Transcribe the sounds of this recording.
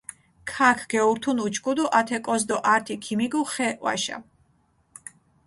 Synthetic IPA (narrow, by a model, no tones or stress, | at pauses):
kʰakʰɡ̥ɛuɾt̪ʰunut͡ʃʰkʰʼud̪ɔʔat̪ʰɛkʼɔzd̪ɔʔaɾt̪ʰikʰimiɡuχɛʔʼwa̰ʃa̰